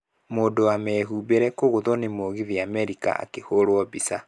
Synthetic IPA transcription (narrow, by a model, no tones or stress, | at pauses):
moːdoamɛːɦubeɾɛkoɣoðɔnemoɣiðiamɛɾika̰a̰kehoɾwɔbisa